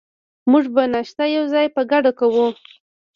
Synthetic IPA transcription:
muʐbanaʃt̪ajawzɑjpəɡaɖakawu

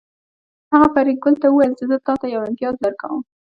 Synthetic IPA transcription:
haɣafaɾik̚ɡʊlt̪awuwajəlt͡ʃɪzət̪ɑt̪ajawɪnt̪ijɑzd̪əɾka̰wəm

